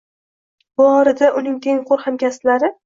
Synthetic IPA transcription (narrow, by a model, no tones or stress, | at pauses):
bʊɒɾɪd̪aʔʊnɪŋt̪ʰeŋqʰoɾhamkʲast̪laɾɪ